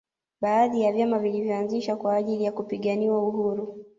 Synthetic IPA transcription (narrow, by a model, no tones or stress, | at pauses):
ɓaːðijavjamavilivjɔanziʃakwaːʄilijakupiɠaniwauhuɾu